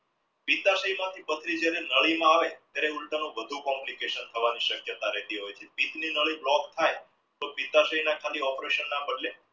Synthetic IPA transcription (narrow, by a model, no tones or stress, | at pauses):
pit̪aʃəimãt̪ʰipət̪ʰɾid͡ʒjaɾenəɭimãaʋet̪jaɾeulʈənõʋəd̪ʱukɔmlikeʃənt̪ʰəʋaniʃəkjət̪aɾɛɦt̪iɦojt͡ʃʰepit̪ninəɭəiblɔkt̪ʰaj | t̪opit̪aʃəɦinãkʰaliɔpɾeʃənːãpəɖle